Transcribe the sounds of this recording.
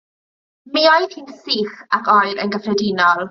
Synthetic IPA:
miːɔjðhiːnsiːχakʰɔjɾə̰nɡəfrɛdiːnɔlˠ

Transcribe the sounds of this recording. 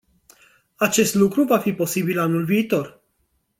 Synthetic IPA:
at͡ʃe̞st̪lukɾuvafipo̞sibilanulviːt̪o̞r

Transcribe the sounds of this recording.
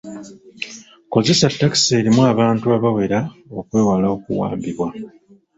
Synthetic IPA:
ko̞ze̞satːakse̞ːɾimuaβaːntuaβawe̞ɾao̞kwe̞ːwalao̞kuwa̰ːmbiβwa

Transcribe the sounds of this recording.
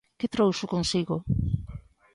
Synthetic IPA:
ket̪ɾowsʊkonsiɣo

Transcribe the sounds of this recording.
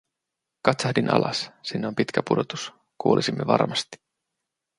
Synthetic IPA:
kɑt̪sɑhdinʔɑ̰lʔɑ̰ssinːeo̞mpit̪kæpudo̞t̪u̥s | kuolʔisimːe̞ʋɑ̰rmɑst̪i̥

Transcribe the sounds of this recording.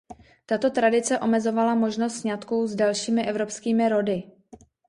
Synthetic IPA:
t̪at̪o̞t̪ɾadɪt͡sɛʔo̞mɛzo̞valamo̞ʒnost̪sɲat̪kuwzdalʃiːmɪʔɛvɾo̞pskiːmɪɾo̞dɪ

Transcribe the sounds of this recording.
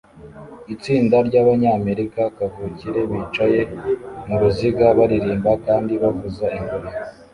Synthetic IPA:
it͡siːndaɾɟaβaɲaːme̞ɾikakavuciɾe̞βiːt͡ʃaje̞muɾuziɡaβaɾiɾiːmbakaːndiβavuzaiŋɡoɾi

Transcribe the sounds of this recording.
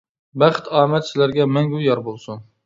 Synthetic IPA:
bæχt̪ʰɑːmɛt̪sɪzlæɾɡʲɛmɛŋɡʲujɑɾbolˠsun

